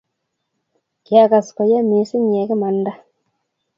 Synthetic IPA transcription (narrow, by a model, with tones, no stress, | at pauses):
kja˨ka˨skɔ˨ja˦mi˨˦sɪ˦ɲe˨˦kɪ˦ma˨nda˦